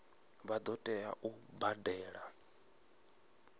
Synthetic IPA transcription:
βad̪ɔtʼɛa̰ʔubadɛːɺa

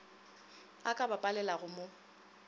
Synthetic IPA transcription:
akʼabapʼalɛlaɣʊmo

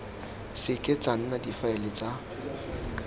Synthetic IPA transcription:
sɪkʼɪt͡sʼaŋ̩nadifaɛlɪt͡sʼa

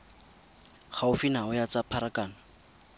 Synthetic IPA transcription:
χaʊfinaʊjat͡sapʰaɾakaːna

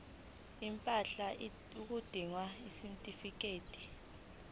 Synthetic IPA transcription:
impʼaɬa | uk̬ud̥ʱiŋwaisimtʼifik̬eːtʼi̥

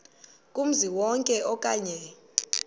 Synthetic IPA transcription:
kʼum̩ziwɔŋkʼɛɔkʼaɲɛ

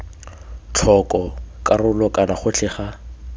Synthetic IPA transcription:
t͡ɬʰɔkʼɔkarʊlɔkʼanaχʊt͡ɬʰɛːχa

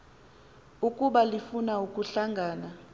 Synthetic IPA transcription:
ukʼuɓalifunaukʼuɬaŋɡʱaːna

